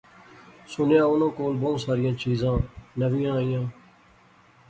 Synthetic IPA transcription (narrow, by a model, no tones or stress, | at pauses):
sʊnjaːʊnõːkoːlboːsaːɾɪjãːt͡ʃiːzãːnəʋɪjãːijãː